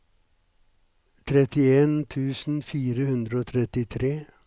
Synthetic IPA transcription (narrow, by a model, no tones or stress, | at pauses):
t̪ʰɾɛt̪ɪeːnt̪ʰʉːsn̩fiːɾəhʉnd̪ɾəoːt̪ʰɾɛt̪ɪt̪ʰɾeː